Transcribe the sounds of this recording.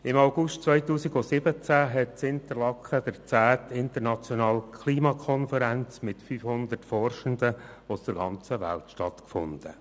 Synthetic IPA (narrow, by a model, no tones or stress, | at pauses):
ɪmaʊɡʊʃtt͡sʋœʏtuːsiɡɔsɪbət͡sæɦɛt̚sɪnt̪ərlɑkχəd̥əɾt͡sæːt̪ɪnt̪əɾnɑt͡sjɔnɑːlkʰliːmɑkʰɔnfəɾænt͡smɪtfyːfhʊnd̪ərtfɔrʃənd̪ə | ɔsd̥əɾɡɑ̰nt͡səʋæ̰ltʃtɑtkfʊ̰nd̪̥ə̰